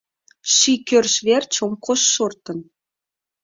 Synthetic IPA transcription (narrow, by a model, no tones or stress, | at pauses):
ʃikʲørʃβert͡ɕomkoʃːort̪ɤ̆n